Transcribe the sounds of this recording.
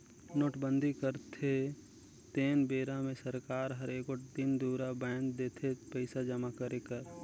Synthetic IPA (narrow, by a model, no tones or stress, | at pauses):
noːʈbə̃nd̪ʱikəɾt̪ʰe | t̪eːnbeːɾamẽsəɾkaːɾɦəɾeːkoʈd̪ɪnd̪uːɾabɛ̃ːnd̪eːt̪ʰepəɪsad͡ʒəmakəɾekəɾ